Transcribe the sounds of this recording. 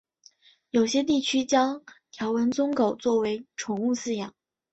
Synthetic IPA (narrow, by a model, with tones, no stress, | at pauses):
jo˨˩ʊɕjɛ˥t̪̬i˥˩t͡ɕʰy˥t͡ɕjɑ˥ŋt̪ʰjɑ˧˥ʊwə˧˥nt͡sʊ˥ŋko˨˩ʊt͡swɔ˥˩we˧˥ɪʈ͡ʂʰʊ˧˥ŋu˥˧sɹ̩˥˩jɑ˨˩˦ŋ